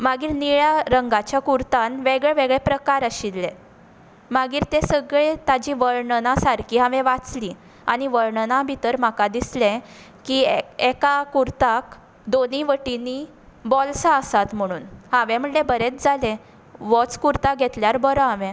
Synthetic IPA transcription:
maɡiːɾniɭjaɾəŋɡat͡ɕjakuɾt̪ãnʋeɡɭɛʋeɡɭɛpɾəkaɾəɕilːẽ | maɡiːɾt̪esəɡɭet̪ad͡ʑiʋəɾɳnãsaɾkʰiːɦãʋẽʋat͡sli | a̰ɽ̃iʋəɾɳnabʱit̪əɾmakad̪islẽ | kiekakuɾt̪ak | d̪oniʋəʈini | bɔlsaəsat̪m̤əɽ̃uːnhãʋẽm̤əɳʈlebəɾet͡sd͡zʱalẽ | ʋɔt͡skuɾt̪aɡʱɛt̪ljaɾbəɾɔɦaʋẽ

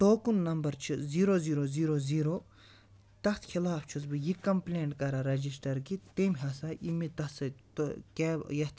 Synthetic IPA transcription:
t̪oːkunːɐmbɐɾt͡ʃʰiziːɾoziːɾoːziːɾoːziːɾoː | t̪ɐt̪ʰxʰilaːft͡ʃʰusbijikɐmplʲeːɳʈkɐɾaɾɐd͡ʒisʈɐɾkit̪emʲɦɐsaʔimit̪ɐt̪sɐt̪keːjɐt̪

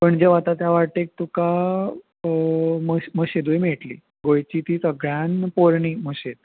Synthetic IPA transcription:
pəɳd͡ʑeʋat̪at̪jaʋaʈ̪ek̚t̪uka | məməɕed̪ujmeʈlḭː | ɡojt͡ɕiːt̪iːsəɡɭjanpoɾɳiməɕet̪̚

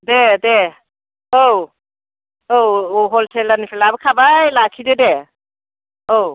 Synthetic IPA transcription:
dɛdɛ | ow | owoɦoltʰɛlanifʰɛlaabkʰabajlakʰidɛdɛ | ow

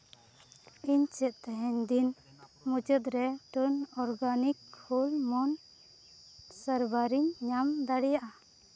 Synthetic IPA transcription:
iɲt͡ʃɛt̪̚t̪ɛɦɛɲd̪in | mud͡ʒəd̪ɾɛʈənɔɾɡanikhulmɔn | səɾbaɾiɲɲamd̪aɽɛjaʔa

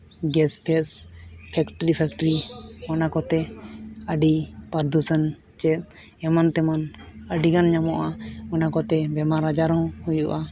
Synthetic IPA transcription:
ɡɛspʰɛspʰɛkʈəɾipʰɛk̚ʈəɾimanakɔt̪ɛəɖipaɾd̪usən | t͡ʃɛt̪̚ | ɛmant̪ɛmanəɖiɡanɲamɔʔamanakɔt̪ɛbɛmaɾad͡ʒaɾɔ̃whujuʔa

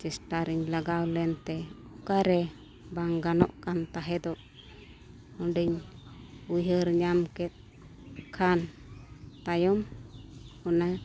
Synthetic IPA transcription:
t͡ʃɛsʈaɾiɲlaɡawlɛnt̪ɛ | ɔkaɾɛ | baŋɡanɔ̰ʔkant̪aɦɛd̪ɔʔ | ɔɖiɲ | uɦəɾɲamkɛt̪̚ | kʰan | t̪ajɔm | hɔna

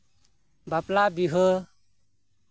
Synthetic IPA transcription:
baplabiɦə

